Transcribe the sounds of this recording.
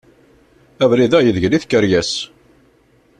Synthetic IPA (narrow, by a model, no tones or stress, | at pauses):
ævɾiðæjəðʝliθkəɾjæs